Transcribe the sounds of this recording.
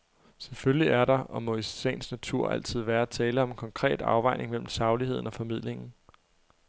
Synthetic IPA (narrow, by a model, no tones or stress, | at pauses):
sefølliæɐɾɑ̈ʔɒ̽mɔ̽isḛːnsnæt͡sʰuɐ̰ʔæl̰t͡sʰið̞̰ˠʋæːɐt͡sʰɛːləɒ̽menkʰɒ̽ŋkʰʁɛ̰ːd̥ɑ̈ʊʋɑ̈ɪ̰nʔe̝ŋmel̰m̩sɑ̈ʊlihe̝ð̞̰ˠn̩ɒ̽fɒ̽mið̰ˠle̝ŋn̩